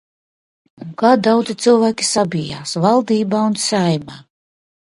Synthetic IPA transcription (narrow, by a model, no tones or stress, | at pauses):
unkaːd̪awd̪zit̪sɨlˠvæːkʲi̥sabʲija̰ːsvalˠd̪iːbaːunsajmaː